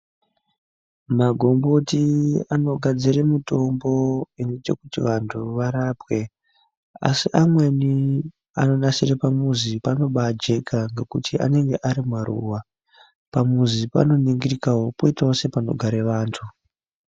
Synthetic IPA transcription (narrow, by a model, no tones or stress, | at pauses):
maɡʱo̞mbo̞tiano̞ɡʱad͡zire̞mito̞mbo̞inet͡ʃe̞kutiʋantʰuʋaɾaːpwe̞ | a̰siʔamwe̞ni | ano̞nasirepamuzipano̞ɓad͡ʒe̞kʰaŋɡe̞kutʰiʔa̰ne̞ŋɡe̞ʔaɾimwaɾṵːwa | pamuzipa̰no̞niŋɡirikawo̞poitaose̞pano̞̰ɡʱaɾe̞ʋaːntʰu